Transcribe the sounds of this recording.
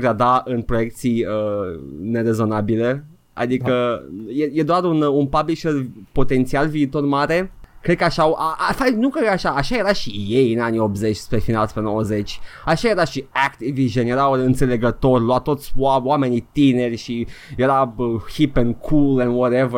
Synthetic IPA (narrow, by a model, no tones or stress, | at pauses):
ɡɾad̪aʔɨnpɾo̞je̞k̚t̪sijəne̞ɾe̞zo̞nabile̞ | a̰d̪ikəjejed̪oaɾununpabliʃərpo̞t̪e̞nt̪sialviːt̪o̞rmaɾe̞kɾe̞d̪̚kəaʃawʔaafajnukɾed̪kaʃaːʃaje̞ɾaʃije̞jɨnanio̞bze̞t͡ʃʲspɾefinalspɾenowəze̞t͡ʃʲaʃaje̞ɾaʃiakt̪iviʒənje̞ɾawɨnt̪se̞le̞ɡət̪o̞rʲloat̪o̞t̪sʲwawame̞nit̪ine̞rʲʃije̞ɾaəxipenkʰulenwɔɾevə